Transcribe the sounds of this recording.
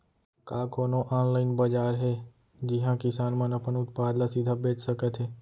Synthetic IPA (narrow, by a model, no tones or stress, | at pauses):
kaːkoːnoʔaːnlaːɪnbəd͡ʒaːɾɦeː | d͡ʒɪɦãːkɪsaːnmə̃nəpənʊt̪̚paːd̪lasɪd̪ʱaːbeːt͡ʃsəkət̪ɦeː